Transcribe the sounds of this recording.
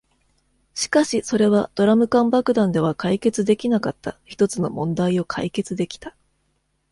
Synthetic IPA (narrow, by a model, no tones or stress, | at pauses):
ɕi̥kaɕiso̞ɾe̞βad̪̥o̞ɾamɯ̟kãmbakɯ̟d̪ãnd̪e̞β̞akaike̞t͡sɨd̪e̞kʲinakat̪ːaçi̥t̪o̞t͡sɨno̞̰mõ̞nd̪aio̞kʰa̰ike̞t͡sɨd̪e̞kʲi̥t̪ḁ